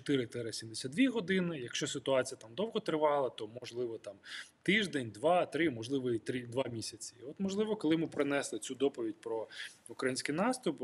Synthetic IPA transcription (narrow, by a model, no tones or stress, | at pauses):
t͡ʃɔt̪ɪɾɪt̪ɛɾɐsʲimd̪esʲad̪ʲʋʲiɦɔd̪ɪnɪjɐkʃt͡ʃɔsɪt̪ʊɑt͡sʲijɐt̪amd̪ɔwɦɔt̪ɾɪʋɑlˠɐt̪ɔmɔʒlˠɪʋɔt̪ɑmt̪ɪʒd̪enʲd̪ʋɑt̪ɾɪmɔʒlˠɪʋɔit̪ɾɪd̪ʋɑmʲisʲɐt͡sʲiɔt̪mɔʒlˠɪʋɔkɔlˠɪmɪpɾɪnɛslˠɪt͡sʲud̪ɔpɔʋʲidʲpɾɔukɾɐjinʲsʲkɪjnɑst̪ʊp